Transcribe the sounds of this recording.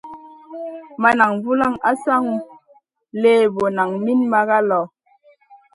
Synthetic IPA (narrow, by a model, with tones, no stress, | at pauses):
ma˦na˨ŋvu˦la˦˨ŋa˦sa˦ŋ˨˦ | leː˦˨bo˨na˨ŋmi˦nma˦ɣa˦lɔ˨